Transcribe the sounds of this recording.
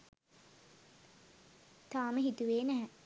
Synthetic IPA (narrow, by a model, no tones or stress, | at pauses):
t̪aːməɦit̪uʋeːnæɦɛ